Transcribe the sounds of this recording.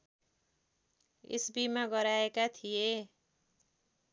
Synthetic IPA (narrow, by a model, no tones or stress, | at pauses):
ḭsbimaɡʌɾaekat̪ʰije